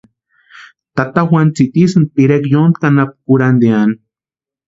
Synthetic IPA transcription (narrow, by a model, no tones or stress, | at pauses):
t̪at̪axwant͡sit̪isɨn̚piɾekjond̪̚kanap̚kuɾand̪eani